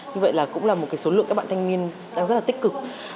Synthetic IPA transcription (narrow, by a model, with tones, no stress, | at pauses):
ɲɨ˧və̰˧˨jlaː˨˩kʊ̰˧˥ŋ͡mlaː˨˩mo˨˩kaː˨˦jso˨˦lɨ̰˧˨ŋkaː˦˥ɓ̰aː˧˨t̪ʰjŋmi˧ən | ɗaː˧ŋzə˦˥tlaː˨˩i˦˥k̚kɨ˨˩k̚